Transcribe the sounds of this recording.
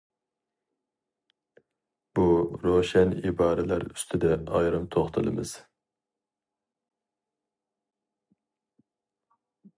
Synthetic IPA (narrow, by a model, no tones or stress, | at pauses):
b̥uɾoʃɛnibɑːɾɪlæɾy̰st̪ʰɪd̪ɛɑjɾɨmt̪ʰoχt̪ʰɨlˠɨ̰mɨ̰z̥